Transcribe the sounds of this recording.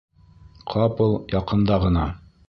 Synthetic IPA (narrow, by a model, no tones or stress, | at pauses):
qʰɑpɤlˠjɑqɤ̆nd̪ɑʁɤ̆nɑ